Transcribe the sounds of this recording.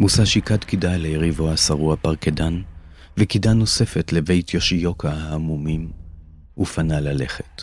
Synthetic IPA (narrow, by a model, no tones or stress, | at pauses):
musaʃikadkidajlejeʁivoasaʁuapaʁkedan | vekidano̞se̞fetleve̞jtʰjoʃijo̞kahaːmumim | ʔufanalale̞̰χet